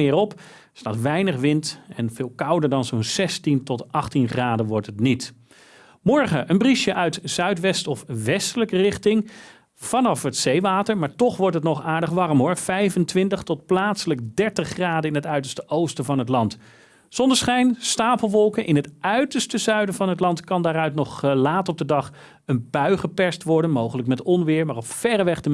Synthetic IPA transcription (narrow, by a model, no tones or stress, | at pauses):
ɪːɹɔp | sta̰ːtʋɛjnəχʋɪntɛnv̥ɪːlˠkʌwdəɹdɑnzownzɛstintɔtɑχtinχraːdəʋɔɹtɦətnit | mɔɹχəʔənbriʃjəʔœɥtz̥œɥtʋɛstɔfʋɛstələkərɪχtɪŋ | v̥ɑnɑfətsejʋaːtəɹmaːɹtɔχʋɔɹtɦətnɔχaːɹdəχʋɑrmɦʊɹv̥ɛjvəntʋɪntəχtɔt̚plaːtsələɡ̚dɛɹtəχːraːdəɪnɦətœɥtəɹstəʔowstəvɑnɦətlɑnt | z̥ɔndəɹsχɛjnstaːpəl̩ˠʋɔlˠkənʔɪnɦətʔœɥtəɹstəzœɥdəvɑnɦətlɑntkɑndaːɾœɥtnɔχlaːtɔb̚dədɑχ | ənbœɥχəpɛɹstʋɔɹdənmowχələkmɛtɔnʋɪːɹmaːrɔpfɛrəʋɛχdə